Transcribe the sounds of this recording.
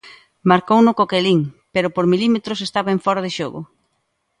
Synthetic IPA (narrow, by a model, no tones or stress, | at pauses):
maɾkownʊkokeliŋpeɾʊpoɾmilimet̪ɾʊsest̪aβaeɱfɔɾað̞ɪʃoɣʊ̰